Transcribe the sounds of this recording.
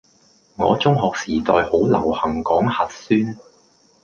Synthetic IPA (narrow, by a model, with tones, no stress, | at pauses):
ŋɔ̰ː˨˧t͡sʊ˥ŋɦɔː˨k̚siː˨˩t̪ɔː˧jho˨˥wlɐ˨˩whɐ˨˩ŋkɔː˨˥ŋhɐ˨t̚syː˥n